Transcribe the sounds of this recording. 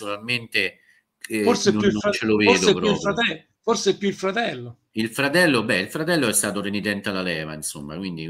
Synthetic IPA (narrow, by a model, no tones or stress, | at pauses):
unalment̪e | forsɛjuft͡ʃːeloveːd̪opɾuiːpfɾaɛ | forseɛpjuilfɾat̪ɛlːo | ilfɾat̪ɛlːobɛilfɾat̪ɛlːoɛst̪aːt̪orenit̪ɛnt̪ealalɛːva̰insomːa̰kwind̪i